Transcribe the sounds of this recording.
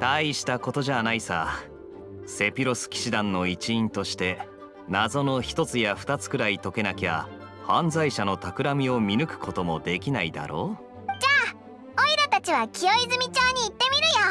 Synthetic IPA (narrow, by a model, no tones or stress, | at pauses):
t̪aiɕi̥t̪ako̞t̪o̞ʑanaisa̰ | se̞pʲiɾo̞sɨ̥kʲi̥ɕid̪ãnːo̞it͡ɕiĩnt̪o̞ɕi̥t̪e̞ | nazo̞no̞çi̥t̪o̞t͡sɨjaɸɯ̥t̪at͡sɨ̥kɯ̟ɾait̪o̞ke̞nakʲia̰ | hãnzaiɕano̞t̪akɯ̟ɾamʲio̞mʲinɯ̟kɯ̟̥kʰo̞t̪o̞mo̞d̪e̞kʲinaid̪a̰ɾʔo̞ː | d͡ʑaː | oiɾat̪at͡ɕiβakʲʰio̞izɨmʲit͡ɕoːɲ̟iːt̪ːe̞mʲiɾɯ̟jo